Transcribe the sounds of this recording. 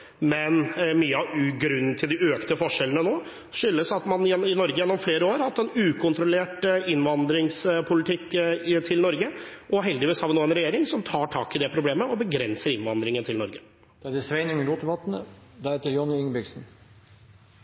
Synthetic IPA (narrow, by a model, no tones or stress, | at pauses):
mɛnmyːəɑʉːɡɾʉn̩t̪ʰɪld̪ɪʔøːkt̪əfɔʂɛlənənoː | ʂʏlːəsɑt̪mɑnjɛnɪnɔɾɡəjɛnːɔmfleːɾəoːɾhɑt̪ːɛnʉːkʰʊnt̪ʰɾʊleːʈɪnʋɑnd̪ɾɪŋspʰʊlɪt̪ʰɪkːt̪ʰɪlnɔɾɡəʔɔɦɛld̪ɪʋiːshɑːɾʋɪnoːɛnɾɛjeːɾɪŋsɔmt̪ʰɑːʈʰɑːkɪd̪ɛpʰɾʊbleːməɔbəɡɾɛnsəɾɪnʋɑnd̪ɾɪŋənət̪ʰɪlnɔɾɡə | d̪̥ɛæd̪ɪsʋɛɪnɪŋəluːt̪əʋɑt̪nəd̪ɛɾhɛt̪əɾjɔnɪʏŋbɪɡsn̩